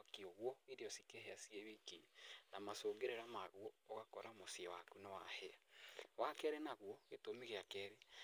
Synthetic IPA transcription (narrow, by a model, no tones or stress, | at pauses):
akioɣwɔeɾeɔsikeɦeasieβikinamasoːɡeɾeɾamaɣwɔːɣakɔɾamosiewakunewahɛawakɛɾenaɣuɔɣetomiɣeakɛɾe